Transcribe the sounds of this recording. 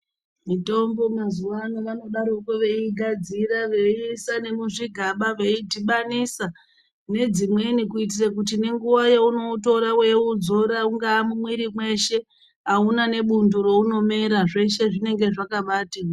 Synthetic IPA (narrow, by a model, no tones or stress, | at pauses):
mito̞mbo̞mazuʋanoʋano̞ɗaɾokoʋe̞iɡʱad͡ziraʋeisane̞muʐiɡʱaɓaʋe̞itiɓanisa | ne̞d͡zimwe̞nikuit̬irakut̬ine̞ŋɡuʋajeuno̞uto̞ɾawe̞ud͡zo̞ɾauŋɡaːmumwiɾimwe̞ʃe̞ | aunane̞ɓunduro̞uno̞me̞ɾaʐe̞ʃe̞ʐine̞ŋɡe̞ʐakaɓaːta